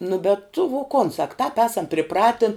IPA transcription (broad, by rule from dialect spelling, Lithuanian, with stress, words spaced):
nʊ bʲɛt tʊ ʋoː koːn sɐk tɑːp ˈæːsɐm pʲrʲɪˈprɑːtʲɪn